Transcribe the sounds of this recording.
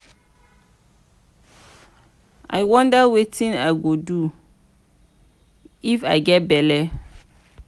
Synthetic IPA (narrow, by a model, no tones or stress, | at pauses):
a̰jwɔ̃ndawetʰĩnaɡodu | ifa̰ɪɡɛt̚bɛlɛ